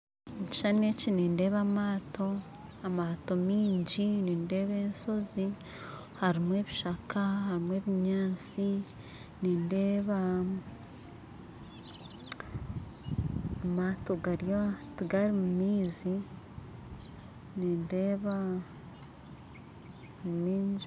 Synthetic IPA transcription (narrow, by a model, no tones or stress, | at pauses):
uci̥ʃanecineːnde̞ːβamaːtʰo̞ | amato̞miːɲɟineːnde̞ːβe̞ːnso̞zi | haɾimwe̞ːβiʃakahaɾimwe̞ːβiɲaːt͡si | neːndeːβa | amaːto̞ɡaɾjatiɡaɾimumiːzi | niːndeːβa | mumiːɲd͡ʒ